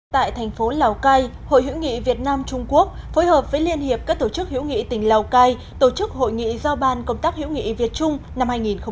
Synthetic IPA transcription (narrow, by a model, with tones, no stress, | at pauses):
t̪a̰ː˧˨jt̪ʰɛ˨˩jŋ̟fo˨˦laː˨˩wkaː˧j | ho̰˧˨jɦḭ˧˥wŋḭ˧˨vi˨˩ət̚naː˧mt͡ɕʊ˧ŋ͡mku˦˥ək̚fo˨˦jhəː˨˩p̚vəː˨˦jli˧ənhi˨˩əp̚kaː˦˥k̚t̪o˧˩t͡ɕɨ˦˥k̚hḭ˧˥wŋḭ˧˨t̪ï˨˩ŋ̟la˨˩wkaː˧j | t̪o˧˩t͡ɕɨ˦˥k̚ho̰˧˨jŋḭ˧˨zaː˧wɓaː˧nkə˧wŋ͡mt̪aː˦˥k̚hḭ˧˥wŋḭ˧˨vi˨˩ət̚t͡ɕʊ˧ŋ͡mna˧mhaː˧jŋi˨˩nxə˧wŋ͡m